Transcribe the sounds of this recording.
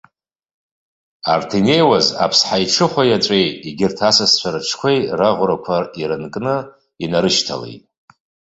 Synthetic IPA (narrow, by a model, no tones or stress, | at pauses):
artʰene̞jwaza̰pʰsħajʈ͡ʂʰɨχʷajaʈ͡ʂʷʼejtiɡʲɪrtʰasast͡ɕʷʰaɾɨʈ͡ʂʰkʷʰejraʁʷɾakʷʰaiɾɨnkʼnɨ | inaɾɨʃtʰa̰lḛjtʼ